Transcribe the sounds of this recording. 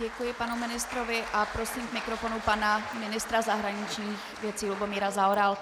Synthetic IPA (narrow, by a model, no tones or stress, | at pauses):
ɛkujɪpanumɪnɪst̪ɾovɪʔapɾosiːmɡmɪkɾofonupanamɪnɪst̪ɾazaɦɾaɲɪt͡ʃɲiːxvjɛtt͡siːlubomiːɾazaoɾal